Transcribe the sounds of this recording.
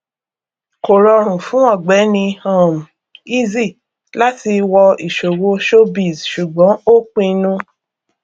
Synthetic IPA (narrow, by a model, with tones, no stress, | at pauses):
ko˨ɾɔ˧ɾ̃ũ˨fũ˨˦ɔ̃˦˨ɡ͡bɛ˨˦nĩ˧ɔ̃˦˨m˨ | i˦zi˦˨ | la˦ti˧wɔ˧i˨ʃo˨wo˧ʃo˦bi˨zʃu˨ɡ͡bɔ̃˨˦o˦k͡pĩ˦˧nũ˦